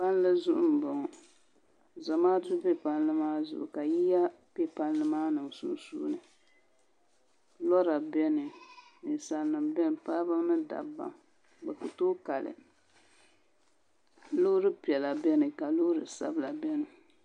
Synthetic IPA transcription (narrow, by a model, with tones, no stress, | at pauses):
pa˦n˦lɨ˦zʊ˦ʔʊ̰˦m̩˨bɔ˨ŋ˨ | za˨maː˦tu˦bɛ˦pa˦nlɨ˦maː˦zʊ̰˨ʔʊ˨ka˨ji˦ja˦ | pɛ˦pa˦nlɨ˦maː˦nɨ˨msu˦n˦sṵː˦nɨ˨ | lɔ˦ɾa˨bɛ˦nɨ˨nɨ˨sa˨lnɨ˨mbɛ˦n˨pa˦bɨ˦mnɨ˦da̰˨ba̰˨m | bɛ˨ku˨toː˦ka˨lɨ̰˨ | lo˦ɾɨ˦pi˨ɛ˨la˨bɛ˦nɨ˨ka˨lʊ˦hɾɨ˨sa̰˦bla˨bɛ˦nɨ˨